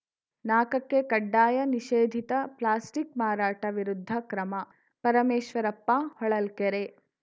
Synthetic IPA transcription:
naːkɐkːekɐɖːaːjɐniʃeːd̪ʱit̪ɐplaːsʈikmaːɾaːʈɐʋiɾud̪ʱːɐkɾɐmɐ | pɐɾɐmeːʃʋɐɾɐpːahɔɭɐlkeɾe

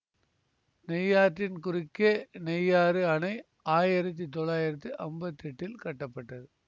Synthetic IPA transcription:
nɛjaːʈːɪnkʊɾɪkːenɛjaːɾɯɐnɐɪ | aːjɪɾɐt̪̬ːit̪ɔɭaːjɪɾɐt̪̬ːɯʔɐmbɐt̪ːɛʈːɪlkɐʈːɐpːɐʈːɐðɯ

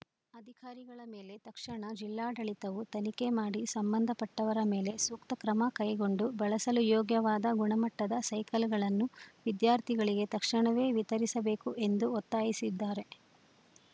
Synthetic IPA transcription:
ɐd̪ʱikaːɾiɡɐɭɐme̞ːle̞t̪ɐkʂɐɳɐd͡ʒilːaːɖɐɭit̪ɐʋut̪ɐnike̞maːɽisɐmbɐnd̪ʱɐpɐʈːɐʋɐɾɐme̞ːle̞suːkt̪ɐkɾɐmɐkɐjɡo̞ɳɖubɐɭɐsɐlujɔːɡjɐʋaːd̪ɐɡuɳɐmɐʈːɐd̪ɐsɐjkɐlɡɐɭɐnːuʋid̪jaːɾt̪ʰiɡɐɭiɡe̞t̪ɐkʂɐɳɐʋe̞ːʋit̪ɐɾisɐbe̞ːkuʔe̞nd̪uɔt̪ːaːjisid̪ːaːɾe̞

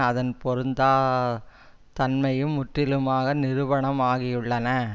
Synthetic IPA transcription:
ɐðɐnpɔɾɯnd̪aː | t̪ɐnmɐjɯmʊʈrɪlɯmaːɣɐnɪɾɯʋɐɳɐmaːɣɪjʊɭːɐnɐ

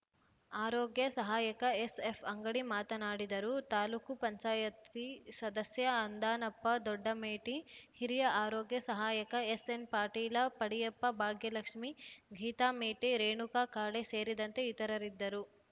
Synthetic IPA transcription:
aːɾoːɡjɐsɐɦaːjɐkɐesepʰɐŋɡɐɽimaːt̪ɐnaːɽid̪ɐɾut̪aːluːkupɐɲt͡ʃaːjɐt̪isɐd̪ɐsjɐɐnd̪aːnɐpːɐd̪ɔɖːɐmeːʈihiɾijɐʔaːɾɔːɡjɐsɐɦaːjɐkɐesenpaːɾʈiːlɐpɐɽijɐpːɐbʱaːɡjɐlɐkʂmiɡʱiːt̪aːmeːʈiɾeːɳukakaːɽese̞ːɾid̪ɐnt̪eit̪ɐɾɐɾid̪ːɐɾu

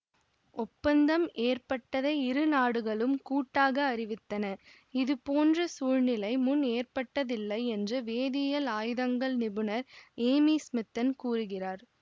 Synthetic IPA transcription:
ɔpːɐnd̪ɐmʔeːrpɐʈːɐðɐɪɾɯnaːɽɯɣɐɭɯmkuːʈːaːɣɐːɾɪʋɪt̪ːɐnɐ | ɪðɯpoːndrɐsuːɻnɪlɐɪmʊneːrpɐʈːɐðɪlːɐɪɛndrɐʋeːðijɐlaːjɯðɐŋɡɐɭnɪbɯnɐɾeːmiːsmɪt̪ːɐnkuːrɯɣɪraːɾ

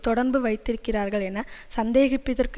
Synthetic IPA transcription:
t̪ɔɽɐɾbɯʋɐɪt̪ːɪɾɯkːɪraːɾɣɐɭɛnːɐsɐnd̪eːɣɪpːɪðɐrk

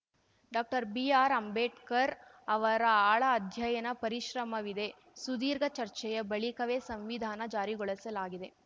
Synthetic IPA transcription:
ɖaːk̚ʈɐɾbiːaːɾɐmbeːʈkɐɾ | ɐʋɐɾɐaːɭɐːd̪ʱjɐjɐnɐpɐɾiʃɾɐmɐʋid̪e̞ | sud̪iːɾɡʱɐt͡ʃɐɾt͡ʃɛjɐbɐɭikɐʋeːsɐmʋid̪ʱaːnɐd͡ʒaːɾiɡɔɭɐsɐlaːɡid̪e

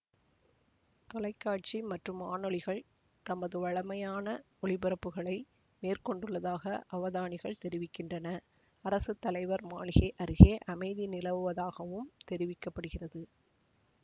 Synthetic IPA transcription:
t̪ɔlɐɪkːaːʈ̚t͡ʃimɐʈrɯmaːnɔɭɪɣɐɭ | t̪ɐmɐðɯʋɐɭɐmɐjaːnɐ | ɔɭɪbɪɾɐpːɯɣɐɭɐɪ | meːrkɔɳɖɯɭːɐðaːɣɐʔɐʋɐðaːɳɪɣɐɭt̪ɛɾɪʋɪkːɪndrɐnɐ | ɐɾɐsɯt̪ːɐlɐɪʋɐɾmaːɭɪɣeʔɐɾɯɣeːʔɐmɐɪðinɪlɐʋɯʋɐðaːɣɐʋɯmt̪ɛɾɪʋɪkːɐpːɐɽɯɣɪrɐðɯ

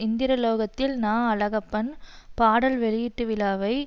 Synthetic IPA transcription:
ɪnd̪ɪɾɐloːɣɐt̪ːɪlnaːɐlɐɣɐpːɐnpaːɽɐlʋɛɭɪjɪʈːɯʋɪlaːʋɐɪ

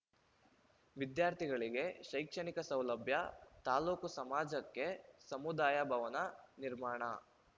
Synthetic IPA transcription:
ʋid̪jaːɾt̪ʰiɡɐɭiɡe̞ʃɐjkʂɐɳikɐsɐwlɐbʱjɐt̪aːluːkusɐmaːd͡ʒɐkːe̞sɐmud̪aːjɐbʱɐʋɐnɐniɾmaːɳɐ

